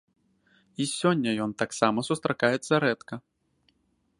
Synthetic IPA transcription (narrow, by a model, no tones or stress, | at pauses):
isʲɔnʲːɐjɔnt̪aksamɐsust̪ɾʔakajɛt̪sɐɾɛt̪kɐ